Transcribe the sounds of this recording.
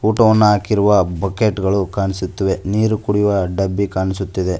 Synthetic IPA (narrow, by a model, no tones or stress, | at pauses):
uːʈɐʋɐnːɐaːkiɾuʋɐbɐkeʈɡɐɭukaːnisut̪ːɐʋe̞niːɾukuɽiʋɐɖɐbːikaːnisut̪ːid̪e̞